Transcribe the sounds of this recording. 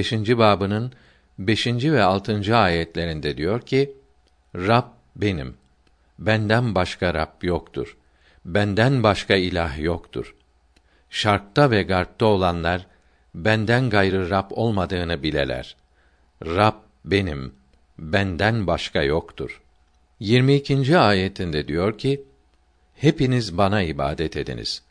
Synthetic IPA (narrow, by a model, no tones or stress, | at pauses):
eʃind͡ʒibaːbɯnɯn | be̞ʃind͡ʒivɛalˠt̪ʰɯnd͡ʒɯaːjɛt̪lʲe̞ɾind̪ɛd̪ijo̞ɾcʰi | ɾab̚ | be̞nim | bænd̪ænbaʃkʰaɾapjokt̪ʰṵɾ̥ | bænd̪ænbaʃkʰailʲaɦjokt̪ʰṵɾ̥ | ʃaɾk̚t̪avɛɡaɾp̪̚ao̞lˠanlˠaɾ | bænd̪ænɡajɾɯɾapʰo̞lˠmad̪ɯːnɯbilʲḛlʲæ̰ɾ̥ | ɾab̚ | be̞nim | bænd̪ænbaʃkajokt̪ʰṵɾ̥ | jiɾmiːcʰind͡ʒiaːjet̪ʰind̪ɛd̪ijo̞ɾcʰi | hepinizbanaiba̰ːd̪ɛt̪ʰe̞d̪ḭnḭz̥